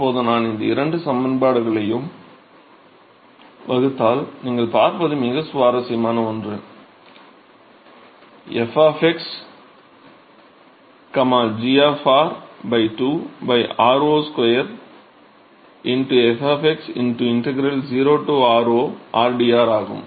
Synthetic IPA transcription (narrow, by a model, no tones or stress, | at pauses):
pːoːðɐ̃naːnɪnd̪ɐɪ̰ɾɐɳɖɯsɐmbɐnbaːɽɯɣɐɭɐjɯm | ʋɐɣɯt̪ːaːlniːŋɡɐɭpaːɾpɐðɯmɪɣɐsʊʋaːɾɐsɪjɐmaːnɐɔndrɯ̃ːn | ɛfaːfɛks | kɐmaːld͡ʒiaːfaːɾbɐɪʈuːbɐɪʔaːɾoːskwɔjɐɾ | ɪnʈuɛfaːfɛksɪ̰nʈuɪɳʈɛɡɐɾɐld͡ʒiːɾoːʈuaːɾoːʔaːɾɖiaːɾaːɣɯ̰m